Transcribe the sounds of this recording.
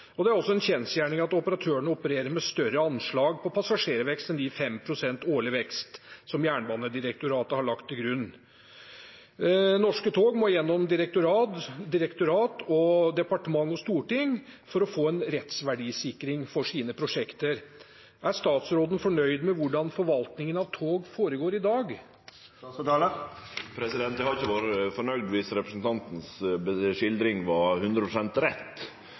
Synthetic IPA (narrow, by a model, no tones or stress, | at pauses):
ɔd̪ɛæɾɔsːɔɛnçɛnsjæːɳɪŋɑt̪ɔpəɾɑt̪ʰøːəɳəɔpəɾeːɾəɾmɛst̪œɾəɑnʂɭɑːɡpʰɔpʰɑsɑʂeːɾʋɛkst̪ɛnd̪ɪfɛmpʰɾʊsɛnt̪oːɭɪʋɛkst̪sɔmjæːɳbɑːnəd̪ɪɾək̚t̪ʊɾɑːt̪əhɑɭɑkt̪ʰːɪlɡɾʉnː | nɔʂkət̪ʰoːɡmɔjɛnːɔmd̪ɪɾək̚t̪ʊɾɑːt̪d̪ɪɾəkt̪ʊɾɑːt̪ɔd̪ɛpɑʈəmɑŋːɔst̪uːʈɪŋfɔɾɔfoːɛnɾɛt̪sʋæɖiːsɪkɾɪŋfɔʂiːnəpʰɾʊʂɛkt̪əɾ | æɾʂt̪ɑːt̪sɾoːd̪ənfɔɳœʏd̪mɛʋʊɖɑnfɔɾʋɑlt̪nɪŋənɑʋt̪ʰoːɡfoːɾəɡoːɾɪd̪ɑːɡ | pʰɾɛsɪd̪ɛnt̪ɛhɑɾɪçːəʋoɾfɔɳœɡd̪ʋiːsɾɛpɾəsn̩t̪ʰɑnt̪n̩sbʂɪld̪ɾɪŋʋɑhʉnd̪ɾəpʰɾʊsɛnt̪ɾɛt̪ː